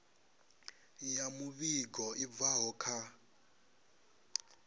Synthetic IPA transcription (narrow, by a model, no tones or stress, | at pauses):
jamuβiɡɔib̪vaɦɔkʰa